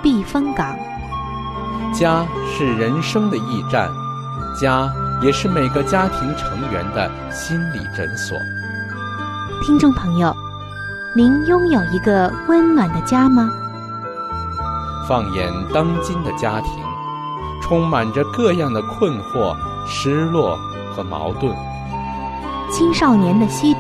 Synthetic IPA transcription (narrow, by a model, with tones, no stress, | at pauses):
pi˥˩fə˥ŋkɑ˨˩˦ŋ | t͡ɕja˥ʂɻ̩˥˩ɻə˧˥nʂɤ˥ŋd̪ə˨i˥˧ʈ͡ʂa̰˥˩n | t͡ɕja˥jɛ˨˩ʂɻ̩˥˩me˨˩ɪɡə˦t͡ɕja˥t̪ʰi˧˥ŋʈ͡ʂʰɤ˧˥ŋɥɛ̰˧˥nd̪ə˧ | ɕi˥nlḭ˨˩ʈ͡ʂə̰˧˥nswɔ̰˨˩˦ | t̪ʰi˥ŋʈ͡ʂʊ˥˩ŋpʰɤ˧˥ŋjo˥˧ʊ | ni˧˥njʊ˥ŋjo˨˩ʊi˧˥ɡə˧wə˥nnwa˨˩nd̪ə˦t͡ɕja˥mɐ˧ | fɑ˥˧ŋjɛ̰˧˥nt̪ɑ˥ŋt͡ɕi˥nd̪ə˨t͡ɕja˥t̪ʰḭ˧˥ŋ | ʈ͡ʂʰʊ˥ŋma˨˩nʈ͡ʂə˦kɤ˥˧jɑ˥˩ŋd̪ə˩kʰwə˥˧nxwɔ̰˥˩ | ʂɻ̩˥lwɔ˥˩ | xɤ˧˥mɑ̰˧˥ʊt̪wə˥˩n | t͡ɕʰi˥nʂɑ˥˩ʊnjɛ˧˥nd̪ə˧ɕi˥